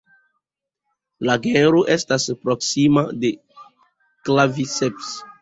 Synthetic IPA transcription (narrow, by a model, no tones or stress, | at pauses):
laɡeɾoʔestaspɾoksimade | klaviseps